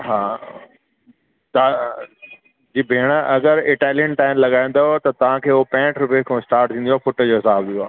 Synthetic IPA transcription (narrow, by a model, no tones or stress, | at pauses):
ɦaː | t̪aː | d͡ʑiːbʱeːɽ̃əʔɐɡəɾɪʈaːlijənʈaːɪnlɐɠaːĩn̆d̪ot̪ɐt̪ɐʋ̤ãkʰeːʊopɛ̃ːʈʰɾʊpekʰõɪsʈaːɾʈ̚t̪ʰĩnd̪ioaːfʊʈd͡ʑoːɦɪsaːbd̪ioaː